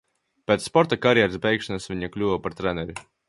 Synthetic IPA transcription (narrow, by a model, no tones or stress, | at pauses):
pʲeːt̪spɔɾt̪akaɾjɛɾɨsbʲɛjkʃanasvʲiɲaklʲuvapaɾt̪ɾɛnɛɾʲi